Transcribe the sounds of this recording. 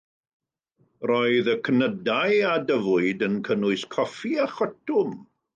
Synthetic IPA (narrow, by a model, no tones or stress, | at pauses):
rɔɨðəkʰənədajadəvʊɨdənkʰənʊɨskʰɔfiaχɔtʰʊm